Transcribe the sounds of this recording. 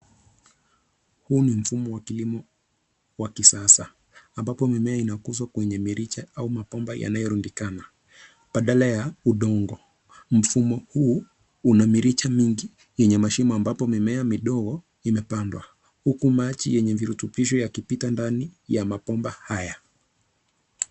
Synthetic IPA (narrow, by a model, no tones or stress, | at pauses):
huːnim̩fumɔwakilimɔ | wakisasaː | mbapɔmimɛainakuzwakwɛɲɛmiɾit͡ʃaaumapɔmbaja̰najɔɾundikana | ɓaɗalajauɗɔŋɡɔ | m̩fumɔhuː | namiɾit͡ʃamiŋɡi | jɛɲɛmaʃimɔambapɔmimɛamiɗɔɣɔ | imɛpandwa | hukumat͡ʃijɛɲɛviɾutupiʃɔjakipitandanijamapɔmbahaja